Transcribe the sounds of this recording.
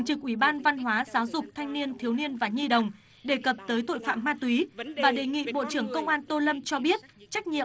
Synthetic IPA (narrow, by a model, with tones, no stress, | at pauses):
ŋt͡ɕɨ˨˩k̚ʔi˧˩ɓaː˧nva˧nɦwaː˨˦zaː˨˦wzʊ˨˩k͡p̚t̪ʰa˧jŋ̟ni˧ənt̪ʰi˨˦wni˧ənvaː˨˩ɲi˧ɗə˨˩wŋ͡m | ɗe˨˩kə˨˩p̚t̪əː˨˦jt̪o̰˧˨jfa̰ː˧˨mːaː˧t̪wi˨˦vaː˨˩ɗe˨˩ŋḭ˧˨ɓo̰˧˨t͡ɕɨ˧˩əŋkə˧wŋ͡mʔaː˧nt̪o˧lə˧mt͡ɕɔ˧ɓi˦˥ət̚t͡ɕa˦˥k̚ɲḭ˧˨ə˨